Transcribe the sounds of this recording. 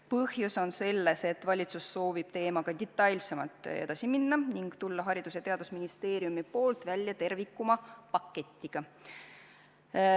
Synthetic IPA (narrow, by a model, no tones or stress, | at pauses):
pɤhjuso̞nse̞lːe̞set̪ːvɑlʲit̪susːo̞ːvib̥̚t̪e̞ːmɑɡ̥ɑd̪̥ʲit̪ːˑɑjlʲse̞mɑlt̪ːˑe̞̰d̪ɑsiminːɑniŋɡ̥t̪ulːɑɦɑɾid̪̥uset̪e̞ɑd̪̥usminist̪e̞ːɾijumipo̞ːlt̪vælʲjɑt̪e̞rvikːˑumɑpɑkːe̞t̪ʲːiɡ̥ɑ